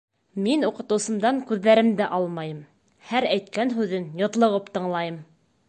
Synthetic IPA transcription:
minuqɤ̆t̪ɤ̆wsɤ̆md̪ɑŋkʉðːæɾɘmd̪æʔɑlˠmɑjɤm | hæɾæjt̪kænɦʉðɘnjɤ̆t̪lˠɤ̆ʁɤpt̪ɤ̆ɴlˠɑjɤm

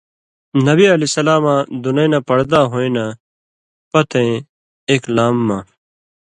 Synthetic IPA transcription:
nɐbiɐleːsɐlaːmãːd̪unɐj̃nãːpɐɽd̪aːɦoːĩːna | pɐt̪ʰẽ | eːklaːmːãː

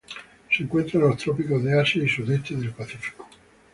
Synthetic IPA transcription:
siŋkwent̪ɾanlost̪ɾɔpikozðeaseisud̪et̪ːeðelpaθifi̥ko̥

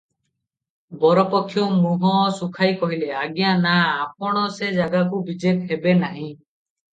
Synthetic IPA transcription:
bɔɾɔpɔkʰːjɔmuɦɔsukʰajkɔɦileaɡjanaːp̚ɔɽ̃ɔsed͡ʒaɡakubid͡ʒet̪ɦebenaɦĩ

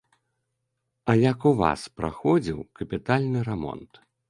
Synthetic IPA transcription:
ɐjakuva̰spɾa̰xɔd͡zʲiwkɐpʲit̪alʲnɨɾɛmɔ̰nt̪

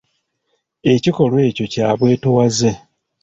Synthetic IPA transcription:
e̞ciko̞lwe̞ːco̞caːβwe̞ːtowaze

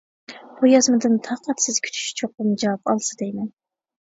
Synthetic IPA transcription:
b̥ujɑzmɨd̪ɨnt̪ʰɑːqʰɑt̪sɪz̥kʲʰy̥t̪ʰy̥ʃt͡ʃʰoq̚ɨmd͡ʒɑwɑpɑlˠsɨd̪ejmɛn

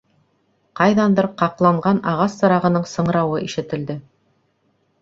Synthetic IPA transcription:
qɑjðɑnd̪ɤɾqɑqlˠɑɴɢɑnɑʁɑsːɤ̆ɾɑʁɤ̆nɤɴsɤ̆ɴɾɑwɤʔiʃɘ̆t̪ɘ̆ld̪ɘ

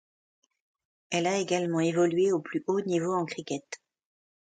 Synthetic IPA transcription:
ɛlaeɡalmɑ̃evɔlɥeoplyʔonivoɑ̃kχikʲɛt̪

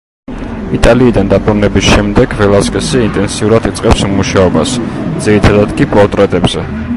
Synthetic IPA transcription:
it̪ʼaliːd̪and̪apʼuɾnɛbisʃɛmd̪ɛɡvɛlˠaskʼɛsiint̪ʼɛnsiuɾad̪it̪sʼqʼɛpsmuʃaɔbasd̪z̥iɾit̪ʰad̪ad̪kʼipʼɔɾt̪ʼɾɛt̪ʼɛbzɛ

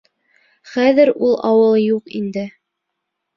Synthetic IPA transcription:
χæðɘɾulˠɑwɤlˠjuqind̪ɘ

